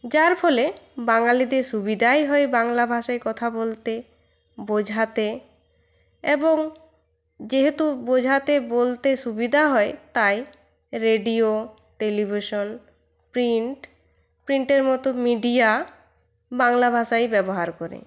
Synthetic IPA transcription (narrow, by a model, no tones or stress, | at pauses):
d͡ʑaɾpʰɔlebaŋalid̪eɾʃubid̪ʱajɦɔebaŋlabʱaʃaekɔt̪ʰabolt̪e | bod͡ʑʱat̪e | eboŋ | d͡ʑeɦet̪ubod͡ʑʱat̪ebolt̪eʃubid̪ʱaɦɔet̪aj | ɾeɖio | ʈelibʱiʃon | pɾiɳʈ | pɾiɳʈeɾmɔt̪omiɖia | baŋlabʱaʃajbɛboɦaɾkɔɾḛ